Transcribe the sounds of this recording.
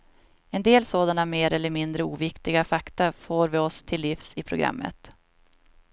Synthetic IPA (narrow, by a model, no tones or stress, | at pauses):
ɛnd̪eːlsoːd̪anameːɾɛlːəɾmɪnd̪ɾəṵːvɪkt̪ɪɡafakt̪afoːɾvɪɔst̪ʰɪlːɪfsɪpʰɾʊɡɾa̰mːə̰t̪